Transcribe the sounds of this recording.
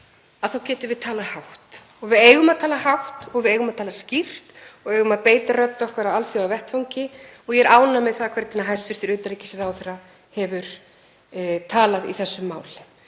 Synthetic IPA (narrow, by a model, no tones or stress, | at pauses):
aðθawcɛːt̪ʏɾvɪðt̪ʰaːlahawht̪ | ɔɣvɪðeːjɣʏmaðt̪ʰaːlahawht̪ɔɣvɪðeːjɣʏmaðt̪ʰaːlascir̥t̪ɔɣeːjɣʏmaðpeːjt̪arœt̪ːɔhkaɾaalθjɔavɛht̪fawɲcɪ | ɔɣjɛɾʔaːwnamɛðθaðkʰvɛɾt̪nɪnaɦajst̪vɪɾ̥θɪɾʏːt̪alicɪsɛɾawθɛra | hɛvʏɾ̥ | t̪ʰaːlaðḭθɛsːʏmːa̰ːwl̥